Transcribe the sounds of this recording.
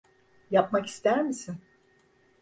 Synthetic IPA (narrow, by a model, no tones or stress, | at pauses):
japmaki̥st̪æɾmisin